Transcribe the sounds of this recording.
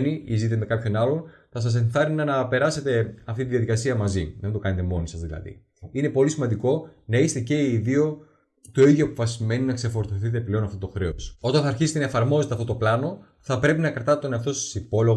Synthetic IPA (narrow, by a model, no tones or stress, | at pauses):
niizit̪emekɐpço̞nɐlo̞nθɐs̬ɐs̬e̞nθɐɾinɐnɐpe̞ɾɐse̞t̪e̞ɐft̪it̪iðjɐðikɐsiɐmɐziðend̪o̞kɐne̞t̪e̞mo̞nisɐzðilɐ̰ðḭ | ine̞po̞lisimɐnd̪iko̞nɐist̪ece̞iːðio̞ | t̪o̞iðʝjoɐpofɐsime̞ninɐkse̞fo̞ɾθoθit̪̬e̞ple̞o̞nɐft̪o̞t̪o̞xɾe̞oso̞t̪ɐnθɐɾçiset̪enɐefɐɾmo̞ze̞t̪eɐft̪ooplɐno̞ | θɐpɾe̞pinɐkɾɐt̪ɐt̪oneɐft̪o̞st̪i̥sipo̞lo̞ɣ